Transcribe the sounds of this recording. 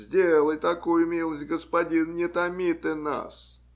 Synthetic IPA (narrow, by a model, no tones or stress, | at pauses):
zʲdʲelˠəjt̪ɐkujʊʊmʲilˠəsʲtʲɡəspɐdʲinnʲɪt̪ɐmʲit̪ɨna̰s